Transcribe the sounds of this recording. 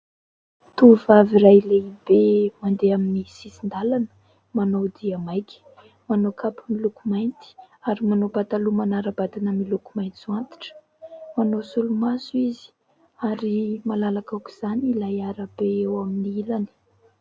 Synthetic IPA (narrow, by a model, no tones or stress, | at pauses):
t̪uvavirajleibemand̪eaminisisind̪alanə̥ | manod̪iamajkʰʲi̥ | manokapəmilukumajnt̪i̥ | aɾimanobat̪alumanaɾəb̥ad̪inəmilukumajnt͡s̪uant̪i̥ʈ͡ʂə̥ | manosulumasuizi̥ | aɾimalalakaki̥z̥anilajaɾəbeewaminiilani̥